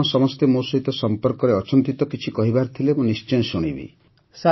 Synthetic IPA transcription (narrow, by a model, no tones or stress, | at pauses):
ɔsɔmɔst̪emosɔɦit̪ɔsɔmpɔɾkɔɾeɔt͡ʃɔnt̪it̪ɔkit͡ʃʰikɔɦibaɾt̪ʰilebɔ̃nist͡ʃɔjɔ̃suɽ̃ḭbḭ | sa